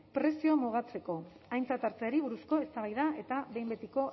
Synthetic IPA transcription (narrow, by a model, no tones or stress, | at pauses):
pɾe̞siomuɣ̞at͡se̞ko̞ | ajnt͡sat̪aɾt͡seaɾiβ̞uɾusko̞e̞st̪aβ̞ajðae̞t̪aβe̞jmbe̞t̪iko̞